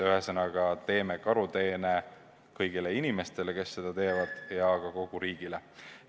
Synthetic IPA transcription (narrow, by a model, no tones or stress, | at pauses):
yɦesɤnɑɡɑt̪e̞ːmekɑɾut̪e̞ːne | kɤjɡ̥ile̞inime̞st̪e̞leke̞sːe̞d̪̥ɑt̪e̞ːvɑd̪̥jɑkɑko̞ɡ̥uɾiːɡ̥ile